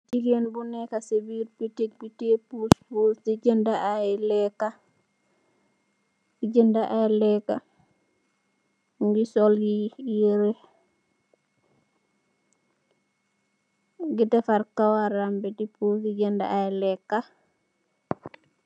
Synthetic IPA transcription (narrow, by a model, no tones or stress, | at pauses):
diɡenbunɛkasebiɾpitek̚bitepuspusdid͡ʒəndaʔajlɛkːa | id͡ʒəndaʔajlɛkːa | ŋɡisɔljijɾe | ɡidɛfaɾkawaɾambɛdipuiɟənda̰ajlɛkːa